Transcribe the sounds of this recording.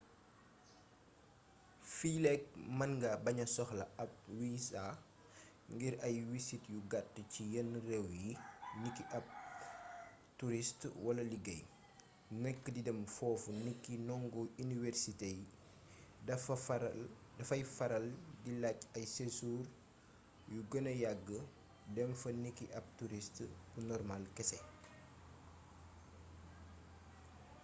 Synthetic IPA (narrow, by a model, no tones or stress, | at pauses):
filɛk̚mɐnɡɐbɐɲɐsɔxlɐɐp̚wisa | ŋɡiɾɐjwisitjuɡatːcijənrɛwjinikːiʔɐp̚ | tuɾistwɐlɐliɡɐj | nəkːədidɐmfɔːfunikːinɔŋɡɔinivɛrsitej | dɐfɐ | dɐfɐjfɐɾɐldilacɐjsesuːr | juɡɐnɐjaɡːə | dɛmfɐnikːiʔɐp̚tuɾistbunɔrmalkɛsɛ